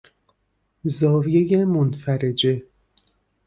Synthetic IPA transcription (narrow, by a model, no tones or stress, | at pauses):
zɒːvijejemonfæɾed͡ʒe